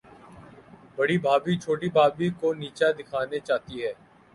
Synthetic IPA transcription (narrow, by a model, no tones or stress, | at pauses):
bəɽiːbʱaːbiːt͡ʃʰoːʈibʱaːbiːkoːniːt͡ʃaːd̪ɪkʰaːnet͡ʃaːt̪iɦɛː